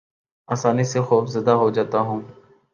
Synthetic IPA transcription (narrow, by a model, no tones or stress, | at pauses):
aːsaːnisexuːfzəd̪aɦod͡ʒaːt̪aɦũː